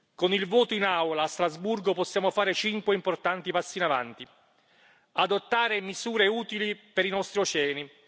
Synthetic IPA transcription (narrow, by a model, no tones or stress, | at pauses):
konilvoːt̪oinawlaːst̪ɾazburɡopɔsːjaːmofaːɾɪt͡ʃiŋkweimport̪ant̪ipasːinava̰nt̪i | ad̪ot̪ːaːɾɪmizuːɾeuːt̪ilipeɾinɔst̪ɾiot͡ʃɛːni